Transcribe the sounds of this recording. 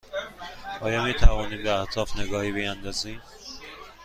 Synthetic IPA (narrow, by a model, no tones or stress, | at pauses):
ʔɒːjɒːmiːt̪ʰævɒːniːbeæht̪ʰɒːfneɡɒːhiːbejænd̪ɒziː